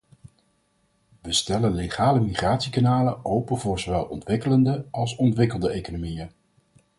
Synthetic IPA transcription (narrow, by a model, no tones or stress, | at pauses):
ʋəstɛlənleχaːləmiχraːtsikanaːləowpəvʊːɹz̥oʋɛlˠɔ̰ntʋɪkələndəɑlˠsɔntʋɪkəlˠdəejkonomijən